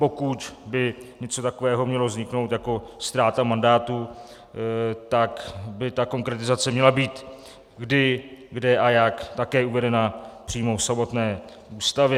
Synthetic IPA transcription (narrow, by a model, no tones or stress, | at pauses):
po̞kut̪bɪɲɛt͡sot̪ako̞vɛːɦo̞mɲɛlo̞zɲɪkno̞wt̪jako̞st̪ɾaːt̪amandaːt̪u | t̪akbɪt̪ako̞ŋkɾɛt̪ɪzat͡sɛmɲɛlabiːt̪ | ɡdɪɡdɛʔajakt̪akɛːuvɛdɛnapr̝̥iːmo̞fsamo̞t̪nɛː | ʔuːst̪avjɛ